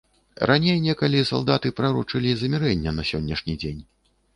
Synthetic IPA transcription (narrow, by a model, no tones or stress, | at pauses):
rʔanʲejnʲɛkɐlʲisa̰lˠd̪at̪ɨpɾɐɾut͡ʂɨlʲizɐmʲɛɾɛnʲːɛnɐsʲɔnʲːɐʂnʲid͡zʲenʲ